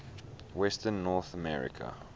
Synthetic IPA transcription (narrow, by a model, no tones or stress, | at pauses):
wɛstənːɔθəmɛɹɪ̰kʰə̰